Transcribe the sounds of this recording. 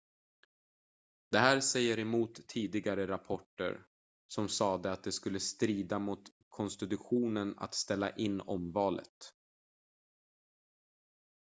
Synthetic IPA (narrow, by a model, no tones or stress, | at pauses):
d̪̥ɛɦæːɾsɛjːəɾɛmuːt̪ʰːiːd̪ɪɡaɾəɾapʰɔʈːə̰ɾ | sɔmsɑːd̪əat̪̚d̪ɛskɵlːəst̪ɾiːd̪amʊt̪ | kʰɔnst̪ɪt̪ɵɧuːnəna̰t̪st̪ɛlːa̰ʔɪnːɔmvɑːlə̰t̪